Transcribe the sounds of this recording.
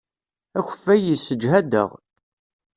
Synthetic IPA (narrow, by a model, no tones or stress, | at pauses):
æçə̥fːæjisːəd͡ʒɦæd̪ə̰ʁ